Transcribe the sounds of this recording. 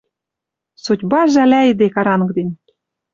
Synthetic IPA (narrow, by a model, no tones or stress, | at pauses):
sutʲbɑʒælʲæid̪ekɑɾɑnɤkd̪enʲ